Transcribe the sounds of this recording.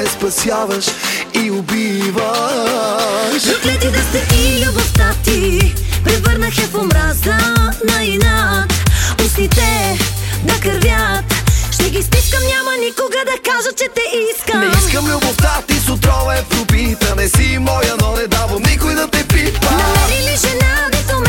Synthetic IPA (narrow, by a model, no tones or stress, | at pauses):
ɛspɐsiavɐʃiʊbivɐ | ʃzuk̪lɛt̪id̪ɛsɛʔilʲɐboft̪at̪ipɾɛvəɾnɐxɛfomɾazɐnɐinat̪ʊsit̪ɛ | d̪ɐkəɾvʲjat̪ʃt̪ɛɡist̪iskəmnʲamɐnikoɡɐd̪ɐkaʒət͡ʃɛt̪ɛʔisknəɛiskəmlʲʊboft̪at̪isʊt̪ɾɔvɛpɾʊpit̪ɐnɛsimɔjənɔnɛd̪avomnikʊjd̪ɐt̪ɛpit̪ənɐmɛɾiliʃɛnad̪ɛzom